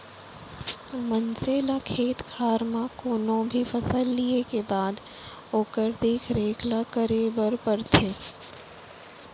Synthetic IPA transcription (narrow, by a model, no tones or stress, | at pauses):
mənseːlakʰeːt̪kʰaːɾmãkoːnõbʱifʰɐsəlːiekebaːd̪ | oːkəɾd̪iːkʰɾeːkʰlakəɾebəɾpəɾt̪ʰeː